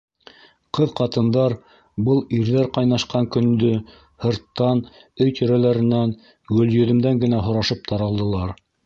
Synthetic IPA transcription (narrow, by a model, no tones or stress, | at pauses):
qʰɤðqɑt̪ɤ̆nd̪ɑɾ | bɤlˠiɾðæɾqɑjnɑʃqɑŋkɵ̆nd̪ɵ | hɤ̆ɾt̪ːɑn | ɵjt̪ɵ̆ɾælæɾɘ̆næn | ɡɵ̆ljɵ̆ðɵ̆md̪æŋɡɘ̆næɦŏɾɑʃɤp̚t̪ʰɑɾɑlˠd̪ɤ̆lˠɑɾ